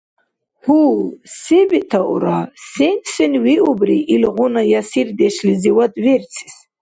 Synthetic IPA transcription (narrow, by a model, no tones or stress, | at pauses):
husebit̪ʰaʔṵɾasensinwiʔubriʔilʁunajasird̪ɛʃliziwad̪vert͡sʰi̥s